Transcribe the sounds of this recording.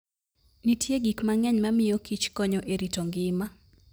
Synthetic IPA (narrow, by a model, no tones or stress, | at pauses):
nitjeɡikmaŋɛɲmamɪjokit͡ʃkɔɲɔʔeɾitoŋɡɪma